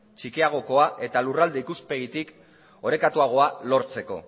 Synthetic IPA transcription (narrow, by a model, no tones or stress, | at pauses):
t͡ʃikiaɣ̞o̞ko̞aʔe̞t̪alurald̪eikuspe̞ɣit̪ik | o̞ɾe̞kat̪uaɣ̞o̞alo̞ɾt͡se̞ko̞̰